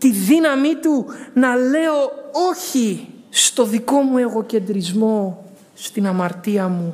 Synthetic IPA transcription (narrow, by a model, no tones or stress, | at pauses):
t̪iðinɐmit̪unɐle̞o̞o̞çist̪o̞ðiko̞mue̞ɣo̞ce̞nd̪ɾizmo̞ | st̪inɐmɐɾt̪iɐmu